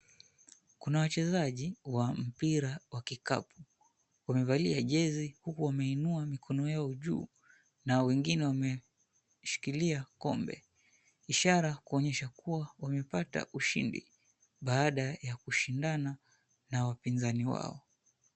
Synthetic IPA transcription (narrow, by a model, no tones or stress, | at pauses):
kunawat͡ʃɛzaʄiwam̩piɾawakika̰pu̥ | wamɛvaliaʄɛzihukuwamɛinuamikʰɔnɔjaɔʄṵː | nawɛŋɡinɛwamɛ | ʃi̥kiliakɔ̰mbɛ̰ | iʃaɾakuɔɲɛʃakuwawamɛpata̰ʔuʃḭndḭ | ɓaaɗajakuʃindana | nawapinzaniwa̰ɔ